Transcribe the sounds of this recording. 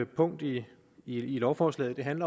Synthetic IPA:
pʰɔ̽ŋ̰d̥i | ilɒʊfɒːslɛ̰ːð̩ˠd̥e̝ɦænlɐ

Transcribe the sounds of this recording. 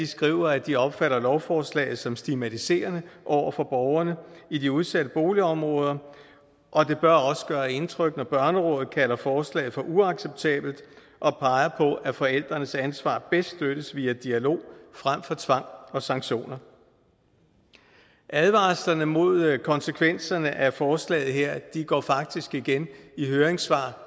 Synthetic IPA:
isɡ̥ʁḭʊɐæd̥iɒ̽b̥fæɾɐlɒʊfɒːslɛ̰ɪð̞̩ˠsɒ̽msd̥imæt͡sʰise̝̰ːɐnəʔɒʊ̰ɐfɒ̽b̥ɒʊɐnəidiuðˠsæd̥əb̥o̝ːliɒ̽mʁɔ̽ːð̞ˠɐ | ʔɒ̽d̥e̝b̥ɶɐɒ̽sə̥ɡ̥ɶːɐe̝nt͡sʰʁœɡ̥nɒb̥ɶɐnəʁɔ̽ːð̩ˠkʰælɐfɒːslɛ̰ːɪð̩ˠfɒ̽ʔuɑ̈ɡ̥seb̥̚t͡sʰɛ̰ːb̥l̩d̥ | ʔɒ̽pʰɑ̈ɪɐpʰɒ̽ʔæfɒ̽el̰d̥ʁɐnəsænsʋɑ̰̈ːb̥esd̥d̥øɾ̥əsʋiːæd̥iælo̝̰ːfʁam̰fɒ̽t͡sʰʋɑ̈ŋ̰ɒ̽sɑ̈ŋɡɕo̝̰ːnɐ | ʔæðˠʋɑ̈slɐnəmo̝ð̞̰ˠkʰɒ̽nsəkʰʋen̰sɐnəʔæfɒːslɛ̰ːð̩ˠɦeɐ̰d̥iɡ̥ɒ̰ːfɑ̈ɡ̥̚d̥isɡ̥iɡ̥eniɦøːɐeŋsʋɑ̰̈ː

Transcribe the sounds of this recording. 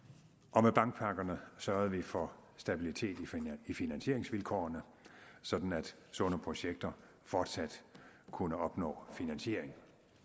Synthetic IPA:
ʔɒ̽meb̥ɑ̈ŋɡ̥̚pʰɑ̈ɡ̥ɐnəsɶɐð̞̩ˠʋifɒ̽sd̥æb̥ilit͡sʰe̝̰ːd̥iifinænɕe̝ɐ̰eŋsʋilkʰɒ̰ːɐnə | sɒ̽d̥n̩æd̥ | sɔ̽nəpʰʁo̝ɕeɡ̥̚d̥ɐ | fɒːd̥sæd̥kʰunəɒ̽b̥nɔ̰̽ːfinænɕe̝ɐ̰eŋ

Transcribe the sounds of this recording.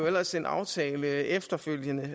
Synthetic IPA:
oel̰ɐse̝nʔɑ̈ʊt͡sʰɛːləefd̥ɐføl̰jənə

